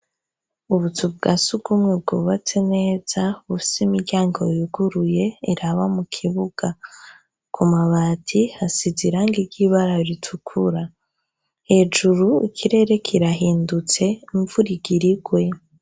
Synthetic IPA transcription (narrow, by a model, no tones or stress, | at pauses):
uβutʰub̚ɡasuɡumŋeb̚ɡoːβat͡se̞ne̞ːz̥aβufi̥simiɾɟaːŋɡo̞juɡuɾuje̞iɾaβamukʰiβuɡ̥a | kʰumaβaːtʰihasiziɾaːŋɡiɾɟiːβaɾaɾitʰukʰuɾa | he̞ːd͡ʒuɾuḭkʰiɾe̞ɾe̞kʰiɾaɦiːndut͡se̞iɱvuɾiɡiɾiɡwe̞